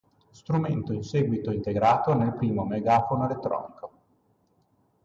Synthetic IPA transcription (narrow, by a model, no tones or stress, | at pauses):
st̪ɾument̪oinseːɡwit̪oint̪eɡɾaːt̪onelpɾiːmomeɡaːfonoelet̪ːɾɔ̰ːnikʰo